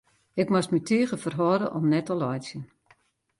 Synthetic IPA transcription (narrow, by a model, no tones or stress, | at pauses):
ɪkmʊstmitʰiːɣəfərɦɔːɾə̰ʔɔmnɛtəlɔjsjən